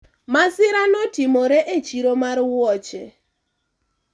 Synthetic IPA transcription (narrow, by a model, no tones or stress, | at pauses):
masɪɾanɔtimoɾɛʔet͡ʃiɾomarwɔt͡ʃɛ